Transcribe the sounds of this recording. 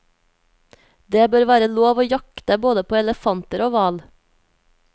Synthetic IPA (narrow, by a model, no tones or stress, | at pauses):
d̪eːbøːɾʋæːɾəloːʋoːjɑkt̪əboːd̪əpʰoːɛləfɑnt̪əɾoːʋɑːl